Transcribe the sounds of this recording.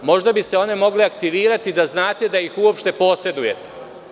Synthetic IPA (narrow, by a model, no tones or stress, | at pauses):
mo̞ʒd̪abise̞o̞nemo̞ɡleakt̪iʋiːɾat̪id̪aznaːt̪e̞d̪ajixuopʃt̪e̞po̞ːse̞d̪uje̞t̪e̥